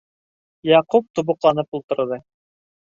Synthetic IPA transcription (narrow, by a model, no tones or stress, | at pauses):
jɑqup̚t̪ŭβŏqlˠɑnɤpulˠt̪ɤ̆ɾðɤ